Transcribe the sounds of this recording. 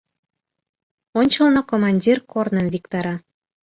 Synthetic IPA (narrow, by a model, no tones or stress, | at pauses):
onʲt͡ɕə̆lnokomɑnʲdʲirkornə̆mvikt̪ɑɾɑ